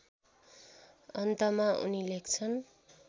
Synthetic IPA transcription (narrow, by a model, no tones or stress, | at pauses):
ʌnt̪ʌmaʔṵnilekt͡sʰʌn